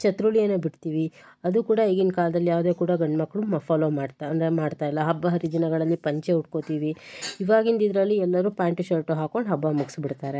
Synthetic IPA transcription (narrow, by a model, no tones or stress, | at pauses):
t͡ʃɐt̪ɾuɭijɐnːebiɽt̪iːʋi | ɐd̪ukuːɽɐiːɡinkaːlɐd̪ɐlːijaːʋd̪e̞ːkuːɽɐɡɐɳɖmɐkːɐɭumɐfaːloːmaːɖt̪ɐnd̪ɾemaːɖt̪aːjilːɐɦɐbːɐɦɐɾid͡ʒ̪inɐɡɐɭɐlːipɐɲt͡ʃeuʈ̚ko̞t̪iːʋiiʋaːɡind̪id̪ɾɐlːiɛlːɐɾuːpaːɳʈiʃɐɾʈoɦaːko̞ɳɖɦɐbːamuɡsbiɽt̪aːɾe̞